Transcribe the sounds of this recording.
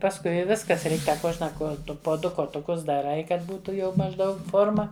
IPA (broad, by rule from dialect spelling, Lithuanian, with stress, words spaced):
pɐsˈkʊɪ ɪ ˈʋʲɪskɐs ˈrʲɛɪk ˈtɐ ˈkuɔʒnɐ kuɔˈtʊ poː ˈdʊ koːtʊˈkʊs dɐˈrɐɪ ˈkɐt ˈbuːtʊ jɛʊ mɐʒˈdɐʊk ˈfoːrmɐ